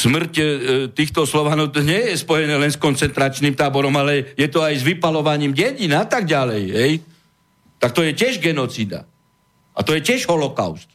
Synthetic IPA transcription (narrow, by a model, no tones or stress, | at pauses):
smr̩ct̪iːxt̪ɔslɔʋaːnɔt̪ɔɲɪɛjɛspɔjɛnɛːlɛnskɔnt͡sɛnt̪ɾat͡ʃniːmt̪aːbɔɾɔmalɛjɛt̪ɔajzʋipalɔʋaɲiːmɟɛɟinat̪aɡ̚ɟalɛjɦɛj | t̪ak̚t̪ɔjɛcɪɛʒɡɛnɔt͡sid̪a̰ | ʔa̰t̪ɔjɛcɪɛʒɦɔlɔka̰ʊst̪̚